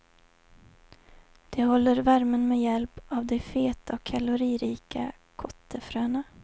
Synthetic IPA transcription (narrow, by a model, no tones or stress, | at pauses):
d̪̥ɛhɔlːəɾvæɾmənmejɛlpavd̪ɛfeːt̪ʰaɔkʰːalʊɾiːɾiːka | kʰɔt̪ʰːəfɾøːna